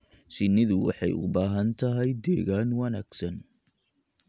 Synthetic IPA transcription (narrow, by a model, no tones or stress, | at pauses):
sɪnɪðʊwɑ̰ħɑ̰jʊ̰baːɦɐnt̪ʰɐɦɛjd̪ɛːɣaːnwɐnaːɡ̥sɐn